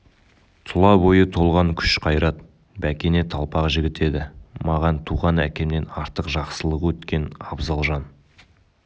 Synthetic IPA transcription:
t̪ʰʊlˠɑbo̞jət̪ʰo̞lˠʁɑŋkʲʰʏ̥ʃqʰɑjɾɑt̪̚ | bækʲe̞ne̞t̪ʰɑlˠpɑqʒɪɡʲɪt̪e̞d̪ɪmɑʁɑnt̪ʰuʁɑnækʲe̞mne̞nɑɾt̪əqʒɑqsəlˠəʁwɵt̪kʲe̞nɑbzɑlˠʒɑn

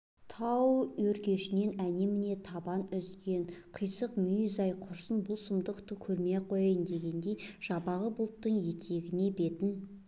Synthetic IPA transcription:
t̪ʰɑwɵɾkʲe̞ʃɪne̞næne̞mɪne̞t̪ʰɑbɑnʏzɡʲe̞ɴqʰəjsəqmʏjʏzɑjqʰʊɾsənbʊlˠsəmd̪əqt̪əkʲʰɵɾmeqʰo̞jɑjənd̪e̞ɡʲe̞nd̪e̞jʒ̥ɑbɑʁəbʊlˠt̪ːəɴje̞t̪ʰe̞ɡʲɪne̞be̞t̪ɪn

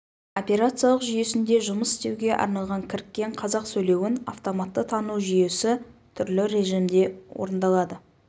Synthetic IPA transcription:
o̞pʲe̞ɾat̪sijalˠəqʒʏje̞sɪnd̪e̞ʒʊməsɪ̥st̪e̞wɡʲe̞ʔɑ̰ɾnɑlˠʁɑŋkʲʰɪɾkʲːe̞ɴqʰɑzɑqsɵjle̞wɪna̰ft̪o̞mat̪ːət̪ʰɑnuwʒʏje̞sɪt̪ʰʏɾlɪɾe̞ʒimd̪e̞wo̰ɾənd̪ɑlˠɑd̪ə

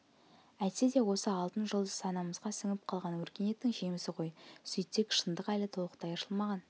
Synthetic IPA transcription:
æsed̪e̞wo̞səɑlˠt̪ənʒəlˠd̪əsɑnɑməzʁɑsɪŋɪp̚qʰɑlˠʁɑnwɵɾkʲe̞ne̞t̪ːɪŋʒe̞mɪsɪqʰo̞jsʏjt̪ːekʲʃənd̪əqælɪt̪ʰolˠəqt̪ɑjəʃəlˠmɑʁɑn

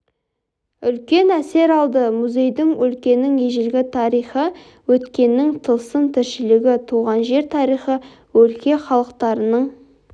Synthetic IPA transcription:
ʏlkʲe̞næse̞ɾɑlˠd̪əmuzʲe̞jd̪ɪŋwɵlkʲe̞nɪŋeʒɪlɡʲɪt̪ʰɑɾijχə | wɵt̪kʲe̞nːɪŋt̪ʰəlˠsənt̪ʰɪɾʃɪlɪɡʲɪt̪ʰuʁɑnʒe̞ɾt̪ʰɑɾijχə | wɵlkʲe̞χɑlˠəqt̪ɑɾənəɴ

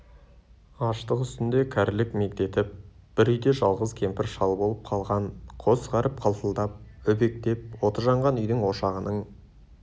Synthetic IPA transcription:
ɑʃt̪əqʏst̪ɪnd̪e̞kʲʰæɾlɪkme̞k̚t̪e̞t̪ɪp̚ | b̥ɪɾʏjd̪e̞ʒɑlˠʁəzkʲʰe̞mpɪɾʃɑlˠbo̞lˠəp̚qʰɑlˠʁɑɴqʰo̞sʁɑɾəp̚qʰɑlˠt̪əlˠd̪ɑp̚ʏbe̞k̚t̪e̞p̚wo̞t̪əʒɑɴʁɑnʏjd̪ɪŋwo̞ʃɑʁənəɴ

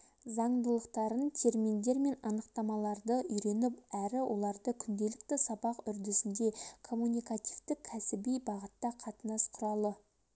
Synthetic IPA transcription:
zɑɴd̪əlˠəqt̪ɑɾənt̪ʰe̞ɾmind̪e̞ɾme̞nɑnəqt̪ɑmɑlˠɑɾd̪əʔʏjɾe̞nɪpæɾɪwʔo̞lˠɑɾd̪əkʲʰʏnd̪e̞lɪkt̪ɪsɑbɑqʏɾd̪e̞sɪnd̪e̞kʰo̞mːunijkat̪ijvt̪ɪkʲʰːæsɪbijbɑʁət̪ːɑqʰɑt̪ənɑsqʰʊɾɑlˠə

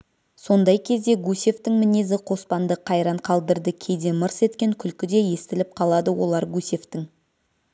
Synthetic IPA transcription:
so̞nd̪ɑjkʲʰe̞zd̪e̞ɡusʲe̞ft̪ɪŋmɪne̞zɪqʰo̞spɑnd̪əqʰɑjɾɑɴqʰɑlˠd̪əɾd̪əkʲʰejd̪e̞məɾse̞t̪kʲe̞ŋkʲʰʏlkʲɪd̪e̞je̞st̪ɪlɪp̚qʰɑlˠɑd̪əwo̞lˠɑɾɡusʲe̞ft̪ɪŋ

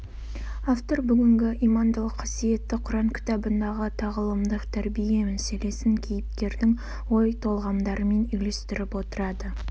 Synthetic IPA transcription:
aft̪o̞rbʏɡʲɪŋɡʲɪʔijmɑnd̪lˠəqʰːɑsije̞t̪ːɪqʰʊɾɑɴkʲʰɪ̥t̪ɑbənd̪ɑʁət̪ʰɑʁəlˠəmd̪əqt̪ʰæɾbije̞mæse̞le̞sɪŋkʲʰejɪp̚t̪e̞ɾd̪ɪŋ | wo̞jt̪ʰo̞lˠʁɑmd̪ɑɾəme̞nʏjle̞st̪ɪɾɪpwo̞t̪əɾɑd̪ə

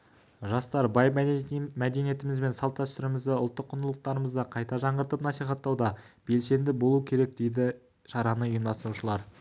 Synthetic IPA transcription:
ʒɑst̪ɑɾbɑjmæd̪enije̞t̪ɪmɪzbe̞nsɑlˠpt̪ːɑst̪ɪɾɪmɪzd̪ɪʊlˠt̪ːəqʰːʊnd̪əlˠəq̚t̪ɑɾəməzd̪ɑqʰɑjt̪ɑʒɑɴʁəɾt̪əpnɑsijχɑt̪ːɑwd̪ɑ | b̥e̞lse̞nd̪ɪbo̞lˠuəkʲʰe̞ɾe̞k̚d̪e̞jd̪ɪ | ʃɑɾɑnəʊjəmd̪ɑsɾuʃəlˠɑɾ

